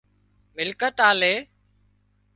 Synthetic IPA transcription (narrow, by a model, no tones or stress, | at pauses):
mɪlkət̪aːleː